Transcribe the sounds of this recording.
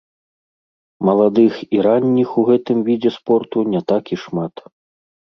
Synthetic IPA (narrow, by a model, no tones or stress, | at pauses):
mɐlˠad̪ɨxiɾanʲːixuɣɛt̪ɨmvʲid͡zʲɛspɔrt̪unʲɛt̪akiʂmat̪